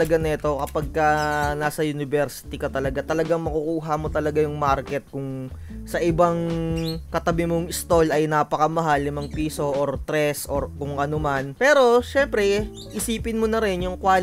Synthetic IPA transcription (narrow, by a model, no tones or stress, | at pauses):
lɐɡanɛɛt̪o̞kɐpaɡ̚kɐnaːsɐjʊnɪbɛɾsɪ̥t̪ikɐt̪ɐlɐɡat̪ɐlɐɡaŋmɐkukuːɦɐmo̞t̪ɐlɐɡajʊŋmaɾkɛt̪̚kʊŋ | sɐʔɪbaŋkɐt̪ɐbɪmoŋɪst̪o̞lɐjnaːpɐkɐmɐɦalːɪmɐŋpiːso̞ʔoɾt̪ɾɛsʔoɾkʊŋʔɐnomanpɛːɾo̞ʃɛmpɾɛ | ʔɪsiːpɪnmonɐɾɪnjʊŋkwaːl